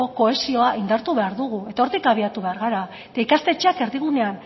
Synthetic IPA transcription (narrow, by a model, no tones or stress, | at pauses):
o̞ko̞e̞sio̞aʔind̪aɾt̪uβe̞aɾðuɣ̞ue̞t̪ao̞ɾt̪ikaβ̞iat̪uβe̞aɾɣaɾaet̪aikast̪e̞t͡ʃeake̞ɾðiɣ̞une̞an